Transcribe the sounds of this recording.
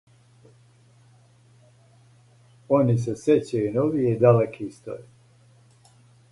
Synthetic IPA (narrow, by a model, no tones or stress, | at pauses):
onis̬eset͡ɕaunoʋied̪alekʰist̪o̰ji